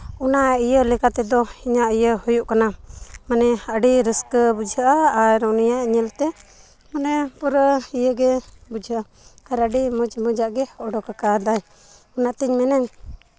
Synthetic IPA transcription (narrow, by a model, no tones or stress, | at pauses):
unaijəlɛkat̪ɛd̪ɔiɲaʔijəhujuʔkanamanɛəʔɖiɾəskbud͡ʒʱəʔaaɾunijaʔɲilt̪ɛ | manɛpuɾijəɡɛbud͡ʒʱəʔa | kaɾəɖimud͡ʒmud͡ʒaʔɡɛɔɖɔkakad̪aj | unat̪iɲmɛnaɲ